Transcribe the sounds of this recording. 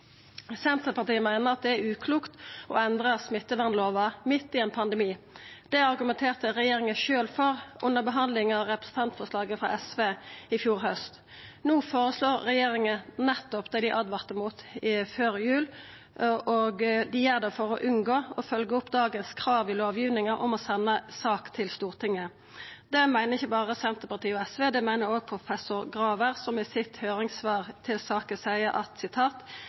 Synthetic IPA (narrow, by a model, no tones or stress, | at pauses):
sɛnt̪əpɑʁt̪iːmæɪnəʁɑt̪̚d̪ɛæʉːkʰluːkt̪ɔ̰ɛnd̪ʁɑsmɪt̪ːəʋɑnloːʋɑmɪt̪ːɪɛnpʰɑnd̪ɛmiːd̪̥ɛɑɾɡʉmɛnt̪ʰeːʁt̪əɾɛjeːɾɪŋəʃøːlfɔʁʔʊnːəʁbəɦɑnd̪lɪŋɑʋɾɛpɾə̥sn̩t̪ʰɑnt̪fɔʁslɑːɡəfʁɑ̰ʔɛsʋeːɪfjuːɾɦœst̪ | nuːfoːɾəsloːʁːɛjeːɾɪŋənɛt̪ːɔpd̪ɛd̪ɪʔɑd̪ʋɑʁt̪əmuːt̪ɪføːɾɪjʉːl | ʔoːɡd̪ɪjæʁd̪ɛfɔʁɔʔʉnɡoːɔfœlɡəʊpːd̪ɑːɡənskʰɾɑːʋɪloːʋjiːʋnɪŋɑʔɔmɔsɛnːəsɑːkt̪ʰɪlst̪uːʁt̪ʰɪŋːə | d̪ɛmæɪnəʁɪçːəbɑːʁəsɛnt̪əpɑʁt̪ʰiːɔɛsʋeːd̪ɛmæɪnəɾoːɡ̚pʰɾʊfɛsʊʁɡɾɑːʋəʁsɔmɪsɪt̪høːɾɪŋsʋɑːʁt̪ʰɪlsɑːkəsæɪəʔɑt̪sɪt̪ʰɑːt̪